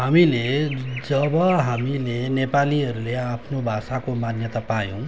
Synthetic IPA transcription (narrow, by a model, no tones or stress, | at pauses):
ɦamiled͡zʌbʌɦamilenepaliɦʌɾuleapʰnobʱasakomanjʌt̪apajõ